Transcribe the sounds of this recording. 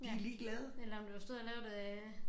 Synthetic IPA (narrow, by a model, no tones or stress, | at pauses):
d̥iliːɡ̥lɛð̞ˠəelɐɒmd̥uʋɑsd̥oð̰ˠɐlɛːʊd̥e